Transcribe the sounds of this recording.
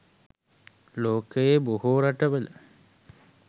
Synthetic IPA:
loːkəjebohuːɾaʈəʋələ

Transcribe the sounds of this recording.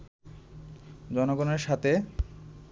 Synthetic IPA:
d͡ʑɔnoɡoneɾʃat̪e

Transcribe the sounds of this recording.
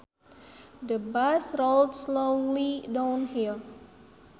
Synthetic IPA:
dəbasroldslõlidãw̃nhilˠ

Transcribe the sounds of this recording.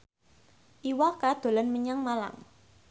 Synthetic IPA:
ʔiwakad̪̥o̤lanməɲaŋmala̰ŋ

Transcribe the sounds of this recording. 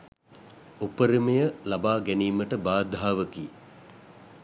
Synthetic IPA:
upəɾimejəlabaːɡæniːməʈəbaːd̪ʱaːʋəki

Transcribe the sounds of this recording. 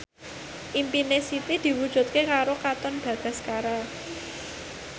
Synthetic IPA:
ʔimpinesit̪id̪̥i̤wud̥ʒ̥ṳt̪̚kekaɾokat̪ɔnb̥ä̤b̪̥a̤skaɾa

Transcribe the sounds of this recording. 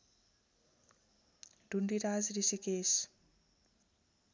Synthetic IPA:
ɖʱuɳɖiɾazɾisikes

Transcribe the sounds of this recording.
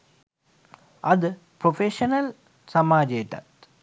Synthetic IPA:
ɐðɨ | pɾofeʂɐnɐl | sɐmaːd͡ʑeːtːɐ̰t̪

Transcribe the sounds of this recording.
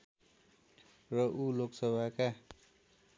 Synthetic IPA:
rʌʔuloksʌbʱaka

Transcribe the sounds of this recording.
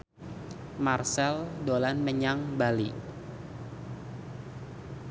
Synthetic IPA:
marsɛldolanməɲaŋbali

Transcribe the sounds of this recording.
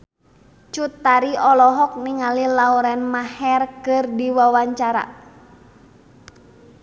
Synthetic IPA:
t͡ʃut̪ːaɾiɔlɔɦɔk̚niŋalilauɾɛnmahɛrkɨrdiwawaɲt͡ʃaɾa̰

